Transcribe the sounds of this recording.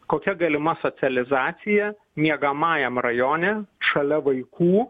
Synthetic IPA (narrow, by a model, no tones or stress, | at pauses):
koːkʲɛɡɐlʲɪmɐsoːt̪sʲɪɐlʲɪzɑːt̪sʲɪjɛ | mʲiɛɡɐmɑːjɛmrɐjoːnʲɛʃɐlʲɛʋɐɪkʰuː